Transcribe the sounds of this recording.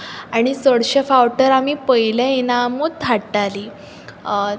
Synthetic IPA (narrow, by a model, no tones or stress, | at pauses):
aɽ̃isəɽɕefawʈəɾamiːpəilẽinamut̪ʰaɽʈali